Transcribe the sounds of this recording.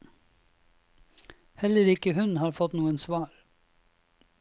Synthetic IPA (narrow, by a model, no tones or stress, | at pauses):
hɛləɾɪkəhʉnhɑːɾfɔt̪nuːənsʋɑːɾ